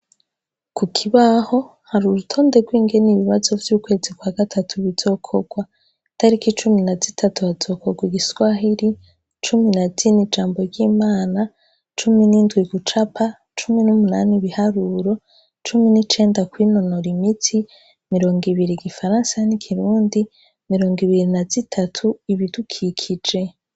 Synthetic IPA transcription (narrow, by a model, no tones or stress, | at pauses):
kukʰiβaho̞ | haɾuɾutʰo̞ːnde̞ɡwiːŋɡe̞niβiβazo̞vjuːkwe̞ːzikwaːɡatʰatʰuβiz̥o̞kʰo̞ɡ̥wa | tʰaɾikit͡ʃuminazitʰatuhaz̥o̞ko̞ɡwiɡiswaɦiɾi | t͡ʃuminazinid͡ʒaːmbo̞ɾɟiːmaːna | t͡ʃuminiːndwiɡut͡ʃapʰa | t͡ʃuminumunaːniβihaɾuːɾo̞ | t͡ʃuminit͡ʃe̞ːndakwino̞no̞ɾimitʰi | miɾo̞ːŋɡiβiɾiɡifaɾaːnsajanikʰiɾuːndi | miɾo̞ːŋɡiβiɾinaz̥itʰatʰuiβidukʰikʰid͡ʒe̞